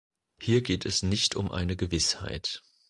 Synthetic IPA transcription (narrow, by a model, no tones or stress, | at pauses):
hiːɐɡeːtʰɛsnɪçtʰʊmʔa̰ɪnəɡəvɪsha̰ɪt